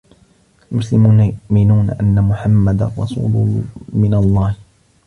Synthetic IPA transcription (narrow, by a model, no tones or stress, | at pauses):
almʊslɪmuːnajʊʔmɪnuːnaʔa̰nːamʊħamːad̪ɑrˤːɑ̰sṵːlʊmɪnɑlˤːɑːh